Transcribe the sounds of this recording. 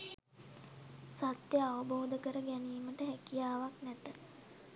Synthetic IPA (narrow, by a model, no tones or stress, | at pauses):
sat̪jəaʋəboːd̪əkəɾəɡɛniːməʈəɦækijaːʋaknæt̪ə